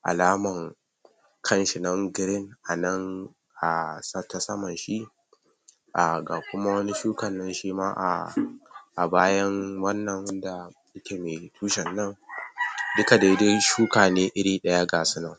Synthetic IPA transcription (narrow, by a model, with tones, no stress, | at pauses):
ʔa̰˨laː˦mɐ˨ŋ | kʰɐ˦nʃi˨nɐ˦ŋɡɪ˦ɾɪ˦ŋʔa˨nɐ˦ŋ | ʔa˨sɐ˦ta˦sɐ˦mɐ˨nʃi˦ʔ | ʔa˨ɡaː˨kʷʊ˦ma˦wɐ˦ni˦ʃuː˦kɐ˨nːɐ˦nʃiː˦maː˦ʔa̰˨ | ʔa˨baː˦jɐ˦ŋwɐ˦nːɐ˨ŋwɐ˦nda˨ | ʔɪ˦kʲeː˨meː˨tʰuː˦ʃɛ˨nːɐ˦ŋ | dʊ˦ka˨da˨˦de˦ʃuː˦kaː˨neː˦ʔɪ˦ɽiː˦ɗɐ˦jaː˦ɡaː˨sʊ˦nɐ˨ŋ